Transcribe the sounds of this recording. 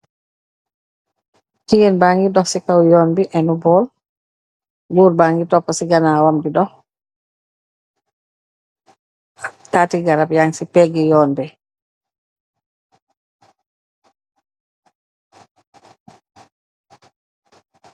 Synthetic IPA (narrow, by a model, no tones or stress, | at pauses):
tijinbaŋɡidɔhsikawjɔːnbiʔɛnubɔl | ɡuɾbaŋɡitɔpːɔsiɡanawamdidɔh | tatiɡaɾapjaŋsipɛɡɛjɔːnbɛ